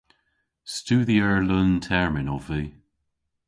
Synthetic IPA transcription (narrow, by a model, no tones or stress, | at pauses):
stuðiəɹləntʰɛɹmɪnɔviː